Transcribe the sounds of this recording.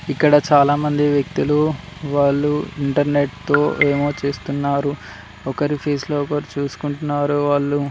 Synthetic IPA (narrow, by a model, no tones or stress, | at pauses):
ikːɐɽɐt͡ʃaːlaːmɐnd̪iʋjɐk̚t̪iluʋaːɭːuiɳʈɐɾne̞ʈt̪o̞ːʔe̞ːmo̞ːt͡ʃeːst̪unːaːɾu | ɔkɐɾipʰeːsloːɔkɐɾit͡ʃuːsu̥kuɳʈunːaːɾuʋaːɭːu